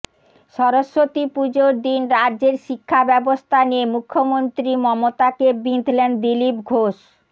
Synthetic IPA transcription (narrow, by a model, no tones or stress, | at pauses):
ʃɔɾoʃːot̪ipud͡ʑoɾd̪inɾadd͡ʑeɾʃikʰːabɛbost̪ʰaniemukʰːomont̪ɾimɔmot̪akebind̪ʱlend̪ilipɡʱoʃ